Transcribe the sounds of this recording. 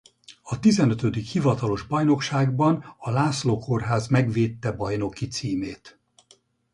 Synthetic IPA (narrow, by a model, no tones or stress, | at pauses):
ɒt̪izɛnøt̪ød̪ikhivɒt̪ɒlo̞ʒbɒjno̞kʃaːɡbɒnɒlaːsloːko̞rɦaːzmɛɡʋeːt̪ːɛbɒjno̞kit̪siːmeːt̪